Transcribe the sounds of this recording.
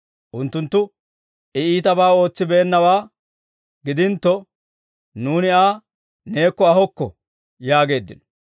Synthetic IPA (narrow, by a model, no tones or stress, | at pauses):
ʔʊnt̪ːʊnt̪ːʊ | ʔɛiːt̪ɐbaːo̞ːt͡sːɪbeːnːɐwaː | ɡɪd̪ɪnt̪ːɔ | nuːnɪaː | ne̞ːkːɔɐɦɔkːɔ̰ | jaːɡe̞ːd̪ːɪnɔ̥